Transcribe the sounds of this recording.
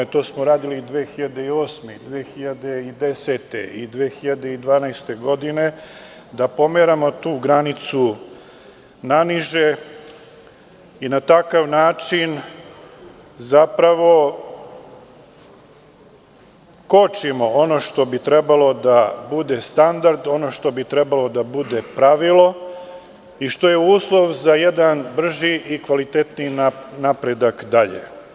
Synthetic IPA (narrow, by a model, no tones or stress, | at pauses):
t̪o̞ːsmoɾaːd̪ilid̪ʋeːxiʎad̪eio̞ːsmeid̪ʋeːxiʎad̪e̞id̪e̞se̞t̪e̞̰id̪ʋeːxiʎad̪e̞id̪ʋaːnajst̪e̞ɡo̞d̪ine̞ | d̪apo̞meɾamo̞t̪uːɡɾanit̪su | naniʒe | inat̪akaʋnaːt͡ʂin | zapɾaʋo̞ | kot͡ʃimo̞o̞no̞ʃt̪o̞bit̪ɾebalo̞d̪abud̪e̞st̪and̪aɾd̪o̞no̞ʃt̪o̞bit̪ɾebalo̞d̪abud̪epɾaʋilˠo̞ | iʃt̪o̞je̞uːslˠo̞ʋzaje̞d̪anbr̩ʒiʔikʋalit̪et̪ninapɾed̪akd̪aʎḛ